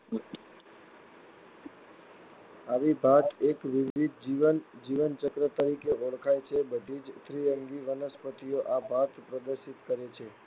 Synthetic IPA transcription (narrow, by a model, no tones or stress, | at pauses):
aʋibʱat̪ekʋɪʋid̪ʱd͡ʒiʋənd͡ʒiʋənt͡ʃəkɾət̪əɾikeʔoɭkʰajt͡ʃʰebəd̪ʱid͡ʒt̪ʰɾiɾəŋɡiʋənəspət̪ijoʔabʱat̪pɾəd̪əɾʃit̪kəɾet͡ʃʰe